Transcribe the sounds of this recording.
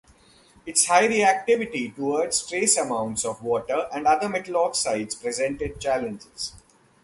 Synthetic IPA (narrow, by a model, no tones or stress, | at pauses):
ɪʈshaɪɾiæk̚ʈɪʋɪʈiʈuʋəɾɖzʈɾeːsəmãʊ̃ɳʈsɔʋʋɔːʈəɾæ̃ɳɖʌd̪əɾmɛʈəlɔːksaɪɖzpɾɛzɛ̃ɳʈeɖ̚t͡ʃæːlə̃nd͡ʒɪz̥